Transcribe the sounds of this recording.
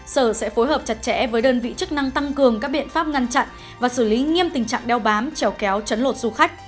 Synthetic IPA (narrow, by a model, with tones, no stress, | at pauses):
səː˧˩sɛ̰˧˥fo˨˦jɦəː˨˩p̚t͡ɕa˨˩t̚t͡ɕɛ̰˧˥vəː˨˦jɗəː˧nvḭ˧˨t͡ɕɨ˦˥k̚na˧ŋt̪a˧ŋkɨ˨˩əŋkaː˦˥k̚ɓḭ˧˨ənfaː˦˥p̚ŋa˧ŋt͡ɕa̰˧˨n | vaː˨˩sɨː˧˩li˨˦ŋi˧əmt̪ï˨˩ŋ̟t͡ɕa̰ː˧˨ŋɗɛ˧wɓaː˨˦mt͡ɕɛ˨˧˦wkɛ˨˦wt͡ɕə˨˦nlo˨˩t̚z̥u˧xa˦˥jk̟̚